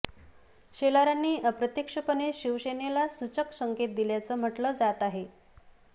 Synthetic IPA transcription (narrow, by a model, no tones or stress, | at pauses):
ɕelaɾanːiːəpɾət̪jekʂəpəneɕiʋɕenelasut͡ɕəksəŋket̪̚d̪iljat͡səːm̤əʈləːd͡zat̪aɦe